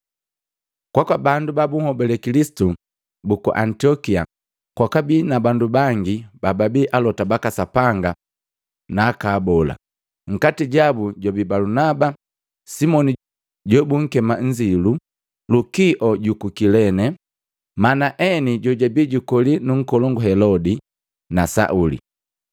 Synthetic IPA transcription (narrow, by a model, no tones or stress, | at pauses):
kwakwabandubabuŋ̩hɔbɛlɛkilisi̥tu | bukṵʔantiɔkia̰ | kwakabinabandubaŋɡibababiʔalɔtabakasapaŋɡa | naːkaːbɔla̰ | ŋ̩katiɟabuɟɔbibalunaba | simɔni | ɟɔbuŋ̩kɛmaɲ̩d͡ʒilu | lukiʔɔɟukukilɛnɛ | manaʔɛniɟɔɟabiɟukɔlinuŋ̩kɔlɔŋɡuɦɛlɔdi | nasa̰ʔulḭ